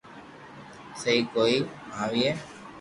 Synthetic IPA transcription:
səɦiːkoːiːaːʋiːeː

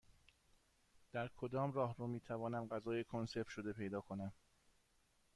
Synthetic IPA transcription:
d̪̥æɾkʰod̪ɒːmrɒːɦɾumiːt̪ʰævɒːnæmɢæzɒːjekʰonse̞ɾft̪ʃo̞d̪e̞pʰe̞jd̪ɒːkʰo̞næm

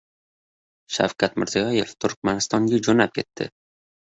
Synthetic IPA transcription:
ʃa̰wkʲʰat̪mɪɾzijɒje̞ft̪ʰʊɾk̚ʲmanɪst̪ɒŋɡʲad͡ʒonap̚kʲʰe̞t̪ʰːɪ̰

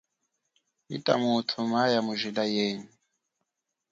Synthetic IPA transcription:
ḭtʼa̰mutʰumajamuʒilajeːɲi

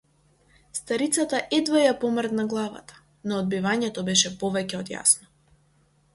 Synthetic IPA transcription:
st̪aɾit̪sat̪aʔɛd̪vajapɔmɾd̪naɡlˠava̰t̪ḁ | nɔːd̪̚bivaɲɛt̪ɔbɛʃɛpɔvɛcɛɔd̪ja̰snɔ

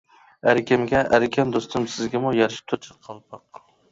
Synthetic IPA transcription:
æɾɪkʲʰɪmɡʲɛʔæɾɪkʲʰɛnd̪ost̪ʰɨmsɪzɡʲɛmʊjɑɾʃɪ̥t̪ʰʊɾt͡ʃʰɨ̥qʰɑlˠpʰɑq

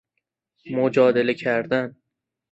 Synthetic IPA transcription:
mod͡ʒɒːd̪elekʰæɾd̪an

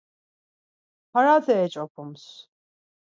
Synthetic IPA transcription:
pʰaɾaːt̪ʰɛːt͡ʃʼɔpʰums

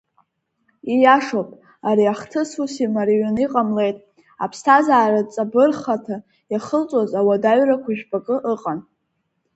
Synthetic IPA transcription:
ijaʂopʼ | aɾiaχtʰɨsusimaɾiɥaniqʼamle̞jtʼ | a̰pʰstʰazaːɾat͡sʼabɨrχatʰa | jaχəlt͡sʷʼozawadaɥrakʷʰaʒᶣbakʼɨʔɨqʼan

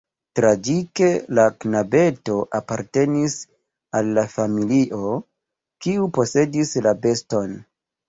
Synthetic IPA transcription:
tɾad͡ʒike̞laknabe̞to̞ʔapaɾte̞nis | alːafamiliʔo̞ | kiupo̞se̞dislabe̞sto̞n

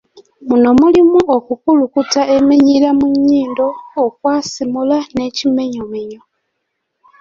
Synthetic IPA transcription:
muno̞mulimuokukulukutaʔe̞meɲilamuɲːiːndo̞ːkwaːsimulane̞cime̞ɲome̞ɲo

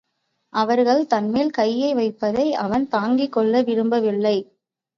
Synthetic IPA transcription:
ʔɐʋɐɾɣɐɭt̪ɐnmeːlkɐjːɐɪʋɐɪpːɐðɐɪʔɐʋɐnt̪aːŋɡɪkːɔɭːɐʋɪɾɯmbɐʋɪɭːɐɪ

